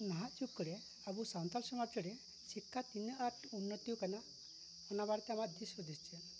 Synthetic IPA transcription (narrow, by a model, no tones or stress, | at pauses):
naɦaʔt͡ʃukːɽe | abusant̪alsɔmaɾt͡ʃʰiɽe | sikʰːat̪inaʈunːət̪iukana | ɔnabaɽt̪eamat̪d̪isɔd̪est͡ʃʰiɛn